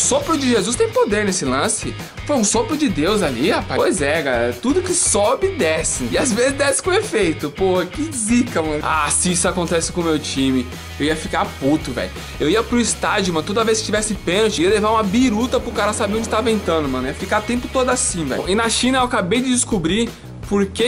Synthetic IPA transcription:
ʊsopɾʊd͡ʒɪʒezust̪ẽj̃pod̪eɾnesɪlɐ̃sɪ | fojũsopɾʊd͡ʒɪd̪ewzalihapapojzɛɡat̪ud̪ʊkɪsobɪd̪ɛsɪ̃ɪazvezɪzd̪ɛsɪ̥kõefejt̪ʊpohɐkɪzikɐmɐ̃na̰sɪisʊakõt̪ɛsɪ̥kõmewt͡ʃĩmɪ | ewiɐfikaput̪ʊvɛ̰jʊ | ewiɐpɾʊɪst̪ad͡ʒʊmɐ̃nʊt̪od̪ɐveskɪ̥t͡ʃivɛsɪpẽnot͡ʃɪiɐlevaɾũmɐbiɾut̪ɐpɾʊkaɾɐsabeɾõd͡ʒɪt̪avɐẽnt̪ɐ̃d̪ʊmɐ̃niɐfikat̪ẽpʊt̪od̪ʊasĩvɛ̰jʔɪnɐʃĩnɐewakabejd͡ʒ̪ɪd͡ʒɪskubɾi | poɾke

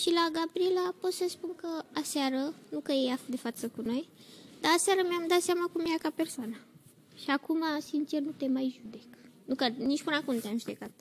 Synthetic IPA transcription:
ɕilaɡapɾilaposəspuŋkəasaɾənukəjeafd̪efatt͡səkunəjt̪aːsaɾəmʲamd̪asamakumiakapeɾsana | ɕakʰumasint͡ʃeɾnut̪emaiɕud̪eknukanit͡ʃpunakunt̪amsud̪ekat̪̚

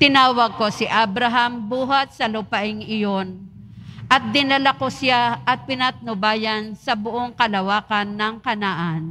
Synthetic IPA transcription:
t̪ɪnaːwɐɡ̚ko̞sɪʔabɾɐɦambuːɦɐt̪̚sɐlʊpɐʔɪŋɪjon | ʔɐt̪̚d̪ɪnɐlakosɪjaʔɐt̪̚pɪnat̪̚nʊbaːjɐnsɐbʊʔoŋkɐlɐwaːkɐnːɐŋkɐnaʔan

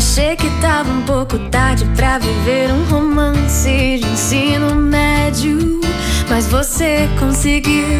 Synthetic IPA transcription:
ʃejkɪt̪avɐũpowkʊt̪aɾd͡ʒɪpɾɐviveɾũɦomɐ̃sɪd͡ʒĩsĩnʊmɛd͡ʒʊ | mɐzvosekõsɪɡi

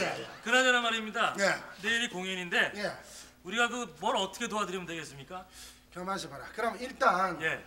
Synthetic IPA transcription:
ekɯɾaɲʌɾamaɾimɲidanene̞iɾikoŋjʌɲinde̞je | uɾiɡaɡɯmʌnʌt͈ʌ̥kʰe̞toɦadɯɾimɯndwe̞ɡe̞s͈ɯmɲik͈a | kjʌmaɕʰibaɾakɯɾʌmiɭt͈anje̞

